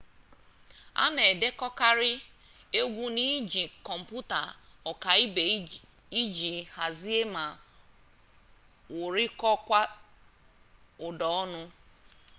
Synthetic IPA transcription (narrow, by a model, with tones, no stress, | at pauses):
a̰˦ne˨de˦kɔ˦ka˦ɾɪ˦ | e˦ɡʷu˦ni˦d͡ʒi˨kɔ˨m̩˨pu˦ta̰˨ɔ˨ka˨i˦be˨ | i˦d͡ʒi˨ha˨zi˦e˦ma˨ | wʊ˨ɾɪ˦kɔ˦kʷa˦ | ʊ˨dɔ˨ɔ˦nʊ˦